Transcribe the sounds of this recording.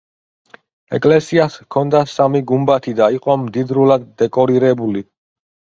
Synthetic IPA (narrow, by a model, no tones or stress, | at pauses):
ɛkʼlɛsiaskʰɔnd̪asamiɡumbat̪ʰid̪aiqʼɔmd̪id̪ɾulad̪̚ːɛkʼɔɾiɾɛbuli